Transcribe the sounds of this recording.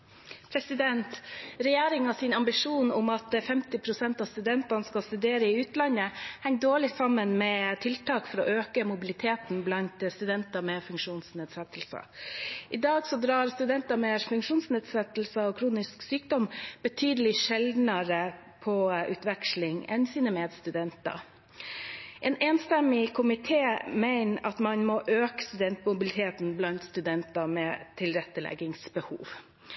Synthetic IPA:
pʰɾɛsɪd̪ɛnt̪ɾɛjeːɾɪŋɑsɪnɑmbɪʂuːnʊmɑt̪fɛmt̪ɪpʰɾʊsɛnt̪ɑst̪ʉd̪ɛnt̪ɑnəskɑlst̪ʉd̪eːɾəɪʉːt̪lɑnːəhɛŋ̚d̪oːɭɪsɑmːənmɛt̪ʰɪlt̪ʰɑːkfɔɾɔʔøːkəmʊbɪlɪt̪ʰeːt̪n̩blɑnt̪st̪ʉd̪ɛnt̪ɑmɛfʉŋkʂuːnsneːd̪sɛt̪ʰlsɑ̰ʔɪd̪ɑːɡsɔd̪ɾɑːɾst̪ʉd̪ɛnt̪ɑmɛfʉŋkʂuːnsneːd̪sɛt̪lsəɔkʰɾuːnɪsksyːkd̪ɔmb̥ət̪ʰyːd̪əlɪʃɛld̪nɑɾə | pʰɔʔʉ̰ːt̪ʋɛkʂlɪŋɛ̰nsiːnəmeːd̪st̪ʉd̪ɛnt̪ɑ̰ | ʔeːneːnst̪ɛmɪkʰʊmɪt̪ʰeːmæɪnʔɑt̪mɑnmɔʔøːkə̥st̪ʉd̪ɛnt̪mʊbɪlɪt̪ʰeːt̪nblɑnt̪st̪ʉd̪ɛnt̪ɑmɛt̪ʰɪlɾɛt̪ːəlɛ̰ɡɪŋsbəhṵːʋ

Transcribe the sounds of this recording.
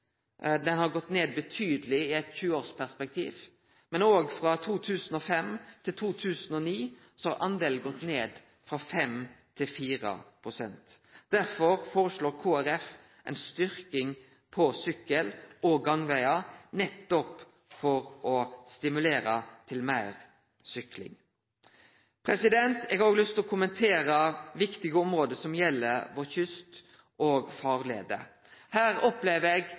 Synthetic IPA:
d̪ɛnhɑɾɡɔt̪ːneːd̪̚bət̪ʰyːd̪əlɪɪɛɪt̪çʉːəoːɾspʰæʁspɛk̚t̪ʰḭːʋ | mɛnoːɡfɾɑt̪ʰuːt̪ʰʉːsn̩ɔfɛmt̪ʰɪlt̪ʰuːt̪ʰʉːsnɔniː | sɔhɑɾʔɑnd̪eːln̩ɡɔt̪ːneːd̪ | fɾɑfɛmt̪ʰɪlfiːɾə̰pʰɾʊsɛnt̪d̪̥æɾfɔɾfoːɾəʂɭoːɾkʰoːæɾɛf | ʔɛ̰ɪnst̪ʏɾkɪŋ | pʰɔsʏkəlɔɡɑŋʋæɪɑnɛt̪ːɔp | fɔɾɔst̪ɪmʉleːɾɑt̪ʰɪlmæɪɾ | sʏklɪ̰ŋ | pʰɾɛsɪd̪ɛnt̪ɛɡhɑʁoːɡlʏst̪ɔkʰʊmənt̪ʰeːɾəʋɪkt̪ɪɡəɔmɾoːd̪əsɔmjɛlːəɾʋɔçʏst̪ | ʔoːɡfɑːʁlḛːd̪ə | hæːɾɔpleːʋəɾeɡ

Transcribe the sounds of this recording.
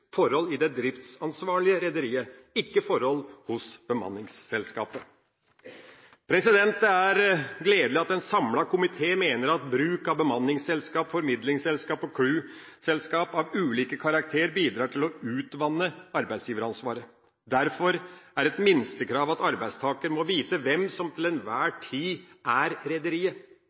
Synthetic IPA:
fɔɾhɔlɪd̪ɛd̪ɾɪft̪sɑnsʋɑːɭɪəɾɛd̪əɾiːəɪkːəfɔɾhɔlːhʊsb̥əmɑ̰nːɪŋsːɛlskɑːpə | pʰɾɛsɪd̪ɛnt̪əæɾɡleːd̪lɪɑt̪ɛnsɑmlɑkʰʊmɪt̪ʰeːmeːnəɾɑt̪bɾʉːkɑbəmɑnːɪŋsɛlskɑːpfɔɾmɪd̪lɪŋsɛlskɑːpɔkʰɽʉː | sɛlskɑːpɑʋʉːliːkəkʰɑɾɑk̚t̪ʰeːəɾbiːd̪ɾɑːʈʰɪlɔʉːt̪ʋɑnːəɑɾbæɪd̪sjiːʋəɾɑnsʋɑːɾə | d̪æɾfɔɾæɾɛt̪mɪnst̪əkʰɾɑːʋɑt̪ɑɾbæɪst̪ʰɑːkəɾmɔʋiːt̪əʋɛmsɔmt̪ʰɪlɛnʋæːʈʰiːʔæɾɾɛd̪əɾiːə

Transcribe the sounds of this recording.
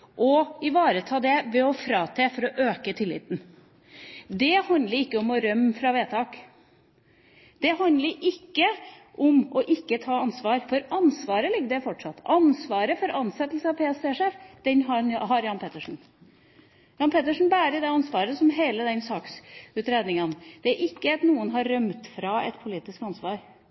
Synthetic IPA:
ʔɔɪʋɑːɾət̪ʰɑːd̪ɛʋɛɔfɾɑːt̪ʰɛːfɔɾɔʔøːkət̪ʰɪlːɪ̰ːt̪n̩ | d̪ɛhɑnd̪ləɾɪkːəɔmɔɾœmːfɾɑʋeːt̪ʰɑːk | d̪̥ɛɦɑnd̪ləɾɪkːə | ʔɔmɔʔɪkːət̪ʰɑːɑnsʋɑːɾfɔɾɑnsʋɑːɾəlɪɡːəd̪ɛfɔʈʂɑt̪ːɑnsʋɑːɾəfɔɾʔɑnsɛt̪ːlsəɑpʰeːɛseːʂeːfd̪ɛnɦɑɦɑɾjɑnpʰeːt̪əʂn̩ | jɑːnpʰeːt̪əʂn̩bæːɾəd̪ɛɑnsʋɑːɾəsɔmɦeːləd̪ɛnsɑːksʉːt̪ɾeːd̪nɪŋənd̪̥ɛæɾʔɪkːəɑt̪nuːənɦɑɾːœmt̪fɾɑɛt̪pʰʊliːt̪ɪskɑnsʋɑːɾ

